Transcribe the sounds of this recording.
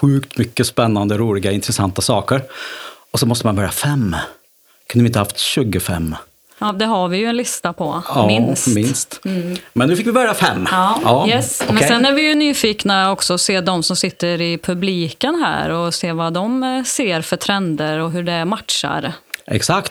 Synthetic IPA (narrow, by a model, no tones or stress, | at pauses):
ɧʉ̟ːkt̪mʏkːəspɛnːand̪əɾuːlɪɡaɪnt̪ɾɛsa̰nt̪asɑːkəɾɔsɔnmɔst̪əmanbœɾja̰fɛmː | kʰɵnvɪt̪əhaft̪ɕʉ̟ːɡəfɛ̰mː | ɑːd̪ɛɦaɾvɪjɵɛnlɪst̪apʰɔɑmɪnsmɪnst̪mɛnʉːfɪkvɪbœɾjafɛmːɑːjɛsɔmɛnsɛnæɾvɪjɵnyːfiːknaɔksɔːseːd̪ɔmsɔmsɪt̪ːəɾɪpʰɵbliːkənɦæ̰ːɾɔseːvad̪ɔmseːɾfœʈʰɾɛnd̪əɾɔɦɵɖɛmat̪ʂa̰ɾʔɛ̰ksakt̪